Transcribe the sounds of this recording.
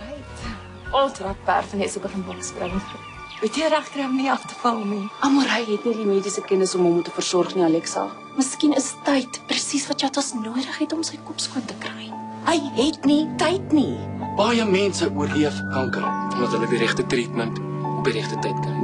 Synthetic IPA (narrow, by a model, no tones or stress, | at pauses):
ɦəjt | ʔɔlˠtrɐt̚pæ̰rfɐnəsəkəfənbɔələsprə | hɛtiəɾæχkrɛjmniɐftə̥fɐlˠniʔɐmɐɾɦəjɦɛtnidimiːdisəkɛnəsɔmɦɔmutəfərsɔrχniɐlɛksɐ̰ | məskinəsətːɐjtprəsisvɐtt͡ʃɑtɐsnuəɾəχɦɛtɔmsəjkɔpskuəntəkrɐjɦəjɦɛtnitɐjtnib̥ɐjəmɛnsəʔuərliəfkɐŋkərfɐndɐtɦələdiɾɛχtətritmənt | ɔfiɾɛχtətɐjt̚kən